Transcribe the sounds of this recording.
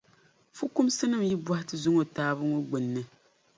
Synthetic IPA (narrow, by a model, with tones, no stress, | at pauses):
fu˦ku˦msɨ˦nɨ˦mji˦bwa˦hɪ˦tɨ˦zʊ˦ŋo˨taː˦βɨ˦ŋo˦ɡ͡bɨ˨nːɨ˦